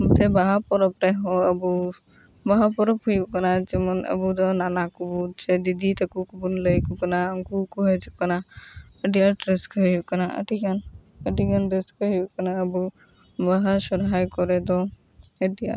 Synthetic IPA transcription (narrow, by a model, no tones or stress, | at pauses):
bt̪ɛbaɦapɔɾɔpɾɛɦɔəbu | baɦapɔɾɔphujukanat͡ʃɛmɔnə̰bud̪ɔnanakubut͡ʃɛd̪id̪ʱit̪ʰakukubunləjkukanaːŋkukuɦəjt͡ʃip̚kana | ədijaʈɾeskɔɦjukanaʔə̰ʈiɡan | əʈiɡanɾeskɔɦjukanaəbu | baɦasɔɾɦajkɔɾɛd̪ɔ | ədija̰